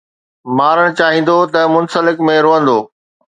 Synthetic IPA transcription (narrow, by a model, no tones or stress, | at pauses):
maːɾəɽ̃t͡ɕaːɦĩːn̆d̪ot̪ɐmʊnsəlɪkmẽɾoːə̃nd̪oː